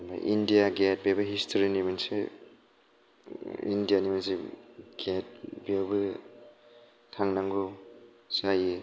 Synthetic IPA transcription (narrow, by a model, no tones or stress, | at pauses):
ba̰ʔindijaɡet̚bebɯɦistʰoɾinimansḛ | ḭndijanimansiɡ̥et̚biewbɯ | tʰaŋnaŋɡo | saji